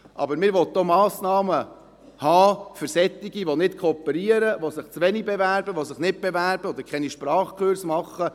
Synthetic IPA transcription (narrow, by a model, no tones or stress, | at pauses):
ʔɑ̰bəɾmɪːɾʋɔt̚d̪oːmɑːsnɑːmə | hɑːfəɾsɛt̪ːiɡiʋonɪtkʰɔpːəɾiəɾəʋosɪχt͡sʋɛnibɛvæɾbəʋosɪχnɪt̚b̥ɛvæɾbəɔd̪əɾkχɛniʃpɾɑːχkʰøɾsmɑχːə